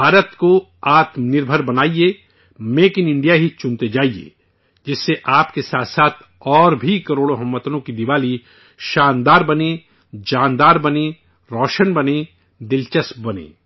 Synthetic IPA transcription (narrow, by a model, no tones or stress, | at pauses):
bʱaːɾət̪ko | aːt̪mnɪɾbʱəɾbɐnaːieː | meːkɪnɪ̃ɳɖijaɦit͡ʃʊ̃nt̪ed͡ʒaːiḛː | d͡ʒɪsːeʔaːpkesaːt̪ʰsaːt̪ʰ | ɔːɾbʱikɐɾoːɽoɦɐ̃mːət̪nõkid̪ɪʋaːli | ʃaːnd̪aːɾbɐne | d͡ʒaːnd̪aːɾbɐne | ɾɔːʃənbɐne | d̪ɪlt͡ʃəsbɐnḛ̃ː